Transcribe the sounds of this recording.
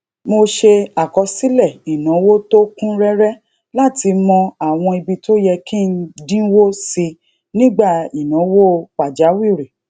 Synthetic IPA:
mo˧ʃe˧a˨kɔ˧si˦lɛ˦˨i˨nã˨˦wo˦to˦kũ˦ɾɛ˦ɾɛ˦ | la˦˨ti˧mɔ̃˧a˨w̃ɔ̃˧i˧bi˧to˦jɛ˧kĩ˦˨n̩˦dĩ˦wo˦si˧ | nĩ˦ɡ͡ba˦˨i˨nã˨˦wo˦k͡pa˨d͡ʒa˨˦wi˦˨ɾe˨

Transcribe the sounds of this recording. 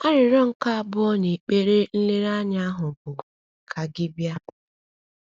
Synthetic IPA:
a˦ɾɪ˨ɾɔ˦ŋ̩˦ka˦bʊ˦ɔ˦ni˨k͡pe˦ɾe˦n̩˦le˦ɾa˦ɲa˦a˦ɦʊ˨bʊ˨ | kʰa˨ɡɪ˦bja˦

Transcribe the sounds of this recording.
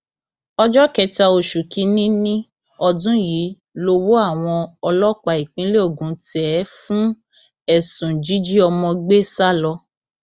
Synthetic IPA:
ɔ˧d͡ʒɔ˦kɛ˧ta˧o˨ʃu˨kĩ˧˦nĩ˦nĩ˦ | ɔ˧dũ˦ji˨˦ | lo˧wo˦a˦˨w̃ɔ̃˧ɔ˧lɔ˦˨k͡pa˨i˨k͡pĩ˨˦le˦o˦˨ɡũ˨˦tɛ˨˦fũ˦ | ɛ˦˨sũ˨d͡ʒi˨˦d͡ʒi˦ɔ˧mɔ̃˧ɡ͡be˦sa˦lɔ˧

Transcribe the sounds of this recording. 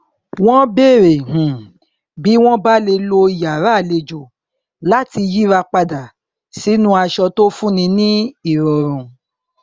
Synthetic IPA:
w̃ɔ̃˦be˦˨ɾe˨ɦũ˨ | bi˨˦w̃ɔ̃˦ba˦le˧lo˧i˨ja˨ɾa˨˦˨le˧d͡ʒu˨ | la˦ti˧ji˦ɾa˧k͡pa˧da˨ | si˨˦nũ˦a˧ʃɔ˧to˦fũ˦nĩ˧nĩ˦i˨ɾɔ˨ɾ̃ũ˨

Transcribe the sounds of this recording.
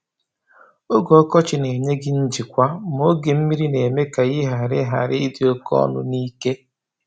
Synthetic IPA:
o˦ɡɔ˨ɔ˦kɔ˦t͡ʃɪ˨ne˨ɲe˦ɡɪ˦n̩˦d͡ʒi˨kʷa˦m˦o˦ɡe˨m̩˦mi˦ɾi˦ne˨me˦ka˨ɣɪ˦ɦa˨ɾɪ̰˦ɦa˨ɾɪ˦dɪ˨o˦kɔ̰˦nʊ̰˦ni˦ke˦

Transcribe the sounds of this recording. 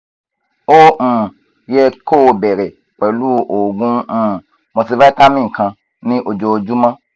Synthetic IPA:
o˦ũ˨ | jɛ˦˧ko˦˨bɛ˨ɾɛ˨ | k͡pɛ˨lu˦ʔo˨ɡũ˦ũ˦˨ | mõ˧ti˧va˦ta˦mĩ˦˨kã˧ | nĩ˦ʔo˧d͡ʒo˧d͡ʒu˦mã˦

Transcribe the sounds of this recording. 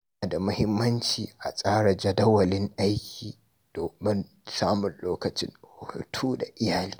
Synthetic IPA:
a˨da˨mʊ˦hɪ˦mːɐ˦nt͡ʃiː˨ʔa˨sʼaː˦ɽa˨d͡ʒɐ˦dɐ˦wɐ˨lɪ˦ŋʔa˦jkʲʰiː˨ | d̥oː˨mɪ˦n | saː˦mʊ˨nloː˦kɐ˨t͡ʃɪ̰˦nʊ˨hʊ̰˨tʰuː˦da˨ʔɪ˦jaː˨liː˦

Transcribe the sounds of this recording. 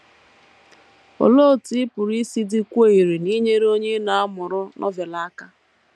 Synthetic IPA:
o̰˨lo˦˨ti˦pʊ˨ɾi˦si˦di˦kʷe˦i˨ɾi˨ni˦ɲe˦ɾo˦ɲe˦na˨a˦mʊ˨ɾʊ˦nʔɔ̰˦ve˨la˦ka˦

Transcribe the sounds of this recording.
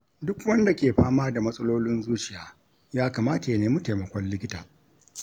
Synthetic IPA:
dʊ˦kwɐ˦nda˨kʲeː˨ɸaː˦maː˦da˨mɐ˦sʼɐ˦loː˦lɪ˦nzuː˦t͡ʃɪ˨jaː˨ | jaː˦kaː˨maː˦ta˨jɐ˨neː˦mu˦teː˨mɐ˨kʷɔ˦llɪ˦kʲɪ˦taː˨

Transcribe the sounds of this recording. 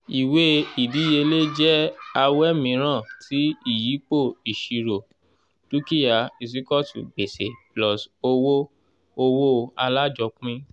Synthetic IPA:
i˨we˦i˨di˨˦je˧le˦d͡ʒɛ˦a˧wɛ˦mĩ˧˦ɾ̃ã˦˨tʰi˨˦i˦˨ji˨˦k͡po˦˨i˨ʃi˨˧ɾo˨ | tu˦ki˦ja˨˧i˨s̬i˦kɔ˦tṵ˨ɡ͡be˨se˨plɔ˨so˧wo˦ | o˧wo˦˧a˧la˦d͡ʒɔ˨˧˦k͡pũ˦ĩ˦

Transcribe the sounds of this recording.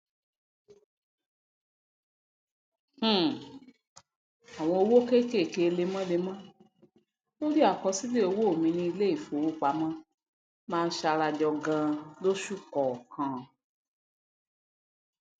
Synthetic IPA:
h̩˦˨ | a˨w̃ɔ̃˧o˧wo˦ke˦ke˦˨ke˧˨˧le˧mã˦le˧mã˦ | o˦ɾi˦a˦˨kɔ˧si˦le˦o˧wo˦o˨mĩ˧nĩ˧i˧le˦i˦˨fo˨wo˦˨k͡pa˨˦mã˦ | mãː˦˧n̩˦ʃa˧ɾa˧d͡ʒɔ˧ɡã˧lo˦ʃu˦kɔ˨kã˨˦˨

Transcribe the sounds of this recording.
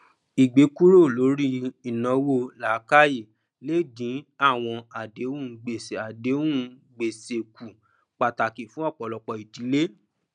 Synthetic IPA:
i˨ɡ͡be˨˦ku˦ɾo˦˨lo˨˦ɾi˦i˨nɔ̃˨˧wo˦˨la˨˦ka˦ji˦˨ | le˦˨dĩ˨˦a˦˨w̃ɔ̃˧a˨de˨˦ũ˦˧˨ɡ͡be˨se˨a˨de˨˦ũ˦ɡ͡be˨se˨ku˨ | k͡pa˨ta˨ki˨fũ˦ɔ˦˨k͡pɔ˨lɔ˨k͡pɔ˨i˨di˨˦le˦

